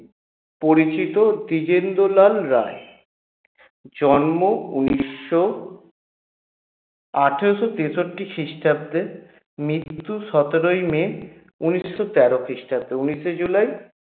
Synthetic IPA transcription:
poɾit͡ɕit̪od̪id͡ʑend̪olalɾae | d͡ʑɔnmoṵniːo | aʈʰeoʃot̪esoʈːikʰɾiʃʈab̚d̪e | mɾit̪ːuʃɔt̪eɾojme | unisːot̪ɛɾokʰɾiʃʈab̚d̪euniʃed͡ʑulaj

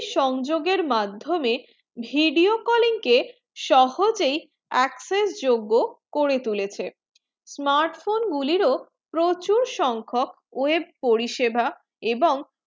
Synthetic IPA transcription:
ʃɔŋd͡ʑoɡeɾmad̪ʱːome | bʱiɖiokɔliŋke | ʃɔhod͡ʑej | ɛksesd͡ʑoɡːokoɾet̪ulet͡ɕʰe | smaɾʈfonɡuliɾo | pɾot͡ɕuɾʃɔŋkʰok | oeb̚poɾiʃebʱa | eboŋ

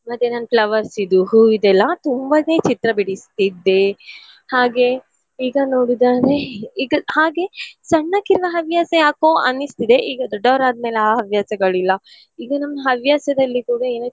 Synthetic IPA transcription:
mɐd̪ːenanplɐʋɐɾsid̪uɦuid̪ɛlːɐt̪umbɐneːt͡ʃit̪ɾɐbiɽist̪id̪ːe | haːɡe̞ | iːɡɐnoːɽid̪aːɾe̞iːɡɐhaːɡe̞sɐɳːɐkiɾʋɐɦɐʋjaːsɐjaːkoʔɐ̰nːist̪id̪e̞ʔiːɡɐd̪ɔɖːɐʋɐɾaːd̪̚meːleaːɦɐʋjaːsɐɡɐɭilːɐ | iːɡɐnɐmɐɐɦɐʋjaːsɐd̪ɐlːikuːɽɐeːne

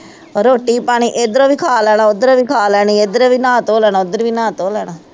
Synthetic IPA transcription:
ɾoːʈiːpaːɽ̃iːʔed̪əɾõːʋiːkʰaːlɛːnaːod̪əɾõːʋiːkʰaːlɛːniːed̪əɾeʋiːnãːt̪oːlɛːnaːʊd̪əɾʋiːnãːt̪oːlɛːnaː

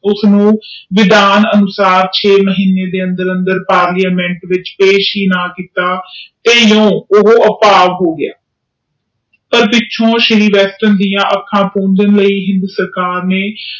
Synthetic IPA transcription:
ʊsnũːʋɪd̪aːnənʊsaːɾt͡ʃʰeːməɦiːnːeːd̪eːə̃nd̪əɾənd̪əɾpaːɾlaːmɛ̃ɳʈʋɪt͡ʃpeːʃɦiːnaːkiːt̪aːt̪eːjõːʊɦoːʔəpaːʋɦoːɡɪa̰ː | pəɾpɪtːʃʰõːʃɪɾiːʋɛːsʈənd̪ɪjãːʔəkʰːãːpõːnd̪ənləiːɦɪ̃nd̪uːsəɾkaːɾneː

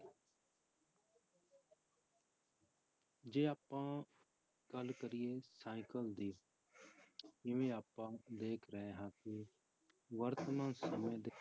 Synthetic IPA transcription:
d͡ʒeːaːpːãː | ɡ̥əlkəɾɪjeːsaːɪkəld̪iː | ɪʋẽːaːpːãːd̪eːkʰɾəɦeːɦãːkɪ | ʋəɾt̪mãːnsəmẽːd̪e

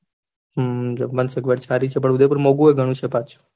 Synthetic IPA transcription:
ɦmənsəkʋeɽt͡ʃʰaɾit͡ʃʰepəɳud̪ep̬uɾmoɡueɡʱəɽ̃ũt͡ʃʰepat͡ʃʰ

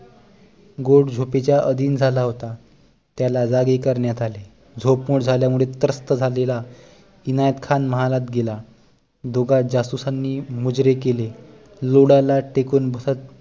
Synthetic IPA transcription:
ɡoɽd͡zʱopet͡ɕjaʔəd̪iːnd͡zʱalaɦot̪a | t̪jalad͡zaɡekəɾɳjat̪ale | d͡zʱopmuɽd͡zʱaljamuɭet̪əɾəst̪əd͡zʱalela | inajət̪kʰanməɦalat̪ɡela | d̪oɡad͡zasusanːiːmud͡zɾekele | loɽalaʈekuːnbʱəsat̪

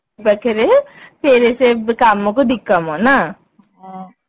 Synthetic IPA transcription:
bɛkʰeɾepʰeːɾesekamõkod̪ɪkːamõna | ɦ

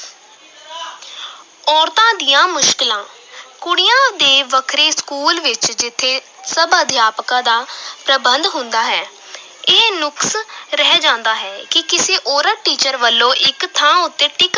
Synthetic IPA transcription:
ɔːɾt̪ãːd̪ɪjãːmʊʃkɪlãː | kʊɽɪjãːd̪eːʋəkʰɾeːskuːlʋɪt͡ʃd͡ʒɪt̪ʰːeː | səbəd̪ʱjaːpkãːd̪aːpɾəbənd̪ɦʊ̃nd̪aːɦɛː | eːnʊksɾɛːd͡ʒãːnd̪aːɦɛːkɪkɪseːʔoːɾəʈiːt͡ʃəɾʋəlːõːʔɪkt̪ʰãːʊt̪ːẽːʈɪk

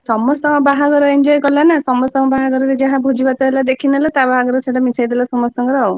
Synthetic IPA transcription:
sɔmɔst̪ɔɔbaɦaɡɔɾɔend͡ʒɔjkɔlanasɔmɔst̪ɔmɔbaɦaɡɔɾɔɾed͡ʒaɦãbʱod͡ʒibat̪ɔɦelad̪ekʰinelet̪abaɦaɡɔɾeseɽamisajd̪ɛlasɔmɔsɔŋɡɔɾaw

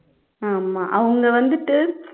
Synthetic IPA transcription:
aːmaːʔɐʋɐŋɡɐʋɐnd̪ɯʈːɯ

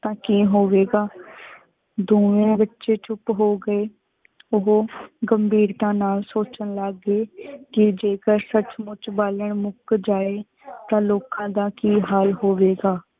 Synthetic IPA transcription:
t̪ãːkiːɦoːʋeːɡaː | d̪oːʋẽːbətːʃeːt͡ʃʊpɦoːɡəeː | ʊɦoːɡəmbiːɾt̪ãːnaːlsoːt͡ʃənlaɡeːkɪd͡ʒeːkəɾsət͡ʃmʊt͡ʃbaːləɳmʊkd͡ʒaːeː | t̪ãːloːkãːd̪aːkiːɦaːlɦoːʋeːɡaː

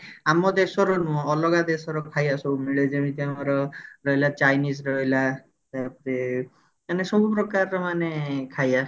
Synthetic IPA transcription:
amɔd̪esɔɾɔnuɔɔlɔɡad̪esɔɾɔkʰajasɔbumiɭed͡ʒemit̪iaɔɾɔɾɔɦelat͡ʃajnisɾɔɦila | t̪apɔɾe | manesɔbupɾɔkaɾɔmanekʰaja

